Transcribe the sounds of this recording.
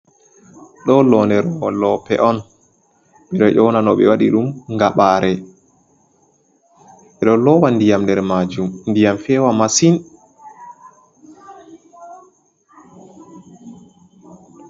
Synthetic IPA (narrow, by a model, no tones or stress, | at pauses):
ɗɔlɔnɛɾɔlɔpɛʔɔn | ɓɛɗɔʔɔnanɔɓɛwaɗiɗumŋɡaɓaːɾɛ | ɓɛɗɔlɔwandijamndɛɾmad͡ʒumndijamfɛwamasin